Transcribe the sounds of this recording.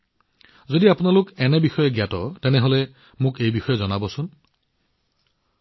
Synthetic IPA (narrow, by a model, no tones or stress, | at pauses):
zodiapunalokenebixɔjeɡjatɔteneɦole | mũkejbixɔjɔezɔnabɔsun